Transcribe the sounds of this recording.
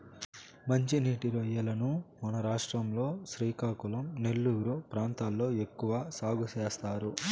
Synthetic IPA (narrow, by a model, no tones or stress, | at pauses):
mɐɲt͡ʃiniːʈiɾɐjːɐlɐnumɐnɐɾaːʂʈɾɐmlo̞ːʃɾiːkaːkulɐmne̞lːuɡɾupɾaːnt̪aːlːo̞ːe̞kːuʋaːsaːɡuʃeːst̪aːɾu